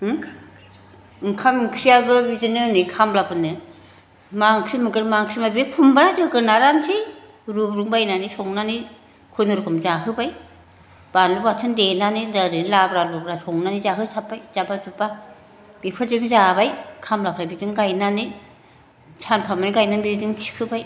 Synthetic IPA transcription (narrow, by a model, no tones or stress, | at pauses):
ŋkʰamkʰɾijabɯbizɯnɯnikʰamlapɯnɯ | maŋkʰɾimɯkɯɾmaŋkʰɾimabipʰumbaɾazɯɡɯnaɾansi | ɾubɾuŋbajnanisɔŋnani | kʰunɯɾkʰɯmzaɦɯbaj | b̥anlubatʰɯndenanɯdaɾɯnlabɾalubɾasɔŋnanizaɦɯsapːajzabatupa | b̥ipʰɯzɯŋzabajkʰamlapʰɾajbizɯŋɡajnanɯ | sʰanpʰamaniɡajnabizɯŋtʰi̥kʰɯbaj